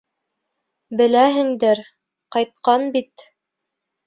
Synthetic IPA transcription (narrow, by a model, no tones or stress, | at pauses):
bɘ̆læɦɘ̆ŋd̪ɘɾ | qɑjt̪̚qɑnbit̪